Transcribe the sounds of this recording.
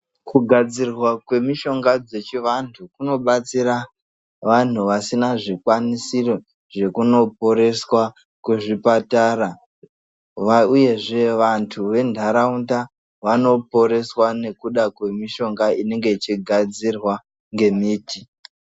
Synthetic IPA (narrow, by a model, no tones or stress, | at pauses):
kuɡʱad͡zirwakwe̞miʃo̞ŋɡad͡ze̞t͡ʃiʋantʰukuno̞ɓat͡siɾa | ʋan̤uʋasinaʐikwanisiro | ʐe̞kuno̞po̞ɾe̞swa | kuʐipataːra | ʋauje̞ʐe̞ʋantʰuʋe̞ndʱaɾaunta | ʋano̞po̞ɾe̞swane̞kuɗakwe̞miʃo̞ŋɡaine̞ŋɡe̞it͡ʃiɡʱad͡zirwa | ŋɡe̞miːti